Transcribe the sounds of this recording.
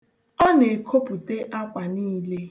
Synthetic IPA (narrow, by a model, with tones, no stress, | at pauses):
ɔ˦ne˨kʰo˦pu˨te˦ʔa˦kʷa˨niː˦le˦